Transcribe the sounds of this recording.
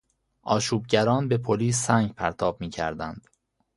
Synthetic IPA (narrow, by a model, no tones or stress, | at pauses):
ʔɒːʃuːb̚ɟæɾɒːnbe̞pʰoliːsːæŋɟpʰæɾt̪ʰɒːb̚miːcʰæ̰ɾd̪ænd̪̥